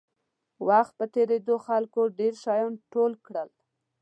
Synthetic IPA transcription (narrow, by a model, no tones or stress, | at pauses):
waxt̪̚pət̪eɾed̪oxalkoɖeɾʃɑjɑnʈolkɽəl